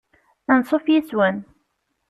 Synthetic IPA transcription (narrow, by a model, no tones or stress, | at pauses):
ænsˤofjiswæn